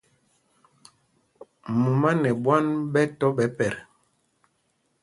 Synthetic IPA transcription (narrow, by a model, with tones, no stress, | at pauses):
mu˨ma˦nɛ˨ɓwa˦nɓɛ˦tɔ˦ɓɛ˨˦pɛ˨ɾ